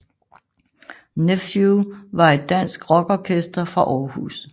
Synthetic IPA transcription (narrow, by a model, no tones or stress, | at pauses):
nefjuʋɑ̈e̝dːæn̰sɡ̥ʁɒ̽ɡ̥ɒːkʰesd̥ɐfʁɑ̈ʔɒːhṵːs